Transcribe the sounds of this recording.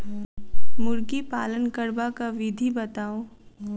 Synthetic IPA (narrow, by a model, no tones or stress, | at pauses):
mʊɾɡipaːlənkəɾbakaʋɪd̪ʱibɐt̪aːoː